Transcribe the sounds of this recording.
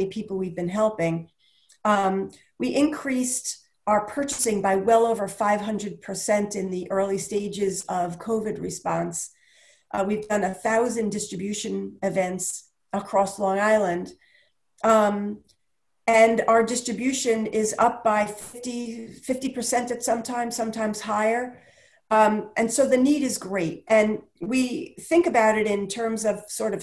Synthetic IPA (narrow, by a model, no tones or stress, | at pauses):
ipʰipl̩ˠwivbɨ̃nɦɛlˠpɪ̃ŋ | wiʔɨ̃nkʰɹ̥ist | ə˞pʰɜ˞t͡ʃɨsɪ̃ŋbaɪwɛlˠoʊvə˞faɪv̥ɦʌ̃ndɹɨd̚pʰə˞sɛ̃ntɨ̃nðiʔɜ˞lˠisteɪd͡ʒɪzʌv̥kʰoʊvɨd̚ɹɨspɑ̃ns | wivdʌ̃nɨθaʊzɨ̃ndɪstɹ̥ɨbjʉʃɨ̃nɨvɛ̃nts | əkʰɹ̥ɔslɔ̃ŋaɪlˠə̃nd | ɨ̃naʊə˞dɪstɹ̥ɨbjʉʃɨ̃nɪzʌp̚b̥aɪfɪftifɪftipʰə˞sɛ̃ntɨtsʌ̃mtʰãɪ̃msʌ̃mtʰãɪ̃mz̥haɪə˞ | ʔɨ̃nsoʊðɨniɾɨzɡɹeɪt̚ʔɨ̃n | wiθɪ̃ŋkɨbaʊɾɨɾɪ̃ntʰɜ̃˞mzʌv̥sɔɹɾʌv̥